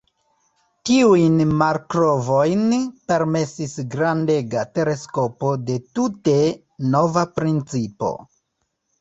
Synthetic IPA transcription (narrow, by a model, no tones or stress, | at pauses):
tiujnmaɾkɾo̞vo̞jnpe̞ɾme̞sisɡɾande̞ɡate̞ɾe̞sko̞po̞de̞tute̞ | no̞vapɾint͡sipo̞̰